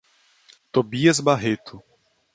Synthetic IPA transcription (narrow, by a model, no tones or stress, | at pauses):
t̪obiɐzbaɦet̪ʰʊ